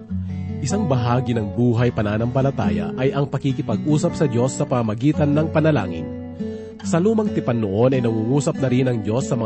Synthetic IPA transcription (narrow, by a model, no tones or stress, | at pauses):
ʔɪsaŋbɐɦaːɡinɐŋbuːɦɐjpɐnaːnɐmpɐlɐt̪a̰ːjɐ̰ʔɐjʔɐŋpɐkikɪpɐɡ̚ʔuːsɐp̚sɐd͡ʒo̞sːɐpɐɐmɐɡiːt̪ɐnːɐŋpɐnɐla̰ːŋɪn | sɐluːmɐŋt̪ɪpɐnːoʔo̞nɐjnɐŋuːhuːsɐp̚nɐɾɪnɐŋd͡ʒo̞sːɐmɐ